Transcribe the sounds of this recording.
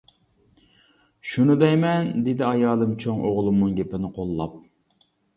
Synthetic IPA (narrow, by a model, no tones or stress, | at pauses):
ʃunɨd̪ɛjmɛnd̪ed̪ɪɑjɑːlˠɨmt͡ʃʰoŋʔoʁlˠumnɨŋɡʲepɪnɪqʰolˠːɑp̚